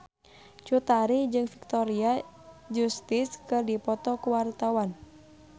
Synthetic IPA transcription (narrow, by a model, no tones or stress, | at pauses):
t͡ʃut̪aɾid͡ʒɨŋfi̥k̚t̪ɔɾia | d͡ʒust̪ɪskɨrdipɔt̪ɔkuwart̪awan